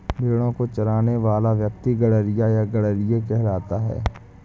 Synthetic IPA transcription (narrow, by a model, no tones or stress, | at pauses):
bʱeːɽ̃õkot͡ʃɐɾaːneʋaːlaʋjək̚t̪iɡɐɽəɾɪjajaɡɐɽəɾɪjekɛɦɾaːt̪aɦɛ̰ː